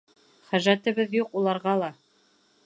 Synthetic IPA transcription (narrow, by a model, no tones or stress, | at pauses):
χæʒæt̪ɘ̆βɘðjuqulˠɑɾʁɑlˠɑ